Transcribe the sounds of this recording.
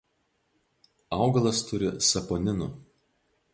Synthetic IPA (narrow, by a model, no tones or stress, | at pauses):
ɑˑʊɡɐlˠɐst̪ʊɾʲɪsɐpɔːnʲɪnʊˑ